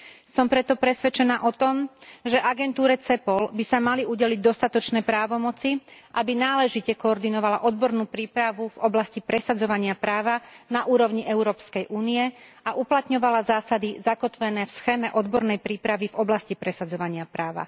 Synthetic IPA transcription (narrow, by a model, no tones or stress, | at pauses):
sɔmpɾɛt̪ɔpɾɛsʋɛt͡ʃɛnaːʔɔt̪ɔmʒɛʔaɡɛnt̪uːɾɛt͡sɛpɔlbisamaliuɟɛliɟ̚d̪ɔst̪at̪ɔt͡ʃnɛːpɾaːʋɔmɔt͡siʔabinaːlɛʒicɛkɔːɾd̪inɔʋalaʔɔd̪bɔɾnuːpɾiːpɾaʋuvɔblascipɾɛsad͡zɔʋaɲɪapɾaːʋanaʔuːɾɔʊɲiʔɛʊɾɔːpskɛjʔuːniɛ | aʔuplat̪ɲɔʋalazaːsad̪izakɔt̪ʋɛnɛːfsxɛːmɛʔɔd̪bɔɾnɛjpɾiːpɾaʋivɔblascipɾɛsad͡zɔʋaɲɪapɾaːʋa̰